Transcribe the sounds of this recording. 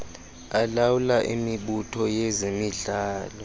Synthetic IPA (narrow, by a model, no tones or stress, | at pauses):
alawulaʔḭmiɓutʰɔjezemiɮaːlɔ